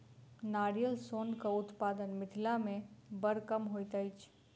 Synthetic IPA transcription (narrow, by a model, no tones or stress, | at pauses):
naːɾijəlsoːnkaʊt̪paːd̪ənmɪt̪ʰɪlamẽbəɾkəmɦoːit̪əɪt͡ʃʰ